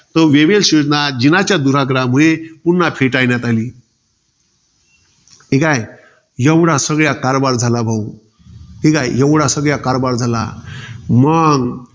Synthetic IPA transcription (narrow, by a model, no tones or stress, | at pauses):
t̪əʋeʋelsud̪nad͡ʑinat͡ɕjad̪uɾaɡɾamuɭepunːapʰeʈajnjat̪aliː | ɦikaj | jəʋɽasəɡɭjakaɾbaɾd͡zʱalabʱau | ɦikajjəʋɽasəɡɭjakaɾbaɾd͡zʱala̰məŋɡ